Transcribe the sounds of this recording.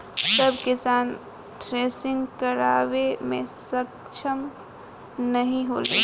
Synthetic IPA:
səbkɪsaːn | ʈɾeːsɪ̃ŋɡkəɾaːʋemḛ̃sək | t͡ʃʰəm | nəɦĩɦoːlḛ

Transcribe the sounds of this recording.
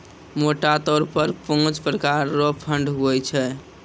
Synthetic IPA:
moʈat̪ɔɾpəɾpõd͡ʒpɾəkaɾːopʰəɳɖɦojt͡ʃʰɛ

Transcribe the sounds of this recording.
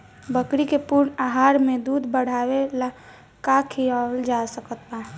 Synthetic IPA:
bəkɾikepʊɾnaɦaːɾmẽd̪uːd̪ʱbəɽ̤aːwela | kakʰiald͡ʒasəkət̪̚ba

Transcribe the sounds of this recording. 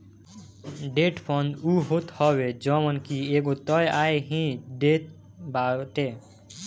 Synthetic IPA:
ɖeʈpʰɔnd̪uɦot̪hɔbed͡ʒɔmənkieɡot̪ɔjaeɦĩɖet̪ | baʈ̪e

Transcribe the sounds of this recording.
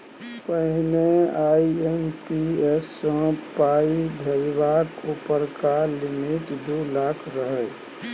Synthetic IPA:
pəɦɪneaiempiɛsːə̃paid̪ʱəjbakupəɾkalɪmɪʈd̪ulakʰɾəɦəː

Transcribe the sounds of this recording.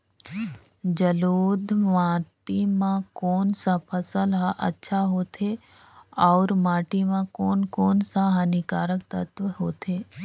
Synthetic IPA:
d͡ʒɐloːd̪mãːʈimãkɔːnsapʰɐsəlɦaʔɐ̰tːʃʰaɦoːt̪ʰe | ɔːɾmaːʈimãkɔːnkɔːnsaɦənikaːɾək̚t̪ət̪ʋəɦoːt̪ʰeː

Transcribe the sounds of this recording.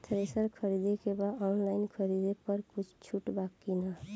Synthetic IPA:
t̪ʰɾesəɾkʰʌɾid̪ekebaɔnlainkʰʌɾid̪epʌɾkut͡ʃʰt͡ʃʰuʈbakːina

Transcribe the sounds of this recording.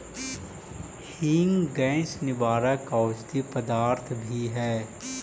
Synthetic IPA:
hiːŋɡɛ̃ːsnɪbaːɾakaːt͡ʃt̪ipəd̪aːɾt̪ʰbʱiɦɛː

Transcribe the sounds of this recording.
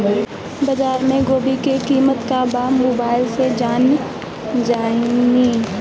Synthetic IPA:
bɐd͡ʒaːɾmẽɡoːbikekiːmət̪kabamoːbaːɪlsed͡ʒaːn | d͡ʒaːiɡiː

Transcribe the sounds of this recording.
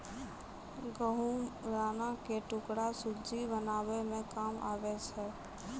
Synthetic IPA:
ɡəɦuɾaːnakeʈʊkɽasʊd͡ʒibənaːʋemẽkaːma̰ːʋɛsɛː

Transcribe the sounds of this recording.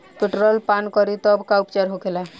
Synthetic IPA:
piʈɾəlpankɔɾit̪ɔbkaupt͡ʃeɾɦokela

